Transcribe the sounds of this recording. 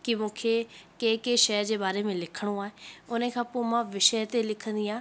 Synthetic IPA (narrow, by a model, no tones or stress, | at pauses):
kɪmũːkʰekeːkeːʃɛjd͡ʑeːbaːɾemẽlɪkʰəɽ̃oaːɦẽʊnẽkʰãːpoːmãːʋɪʃəjt̪elɪkʰə̃nd̪iaː